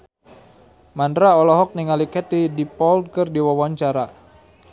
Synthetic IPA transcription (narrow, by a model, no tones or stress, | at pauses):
mandɾaɔlɔɦɔk̚niŋalikɛt̪idipɔld̚kɨrdiwawaɲt͡ʃaɾa